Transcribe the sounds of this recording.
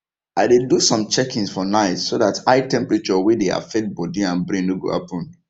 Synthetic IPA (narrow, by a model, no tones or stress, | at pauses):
aɪdedusɔ̃mt͡ʃɛkĩnsfɔnaɪtsoðataɪtɛ̃mpɹɛt͡ʃɔwidea̰fɛt̚bɔdĩãnbɾĩŋnuɡo̰a̰pɔ̃n